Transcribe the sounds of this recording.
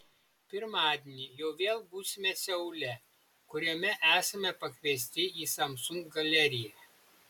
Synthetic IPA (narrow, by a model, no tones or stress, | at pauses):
pʲɪɾmɑːd̪ʲenʲiːjɛʊʋʲeːlˠbuːsʲɪmʲɛsʲɛʊlʲɛ | kʊɾʲɛmʲɛʔæːsɐmʲɛpɐkʲʋʲiɛsʲt̪ʲɪiːsɐmsʊŋkɡɐlʲɛɾʲɪjæ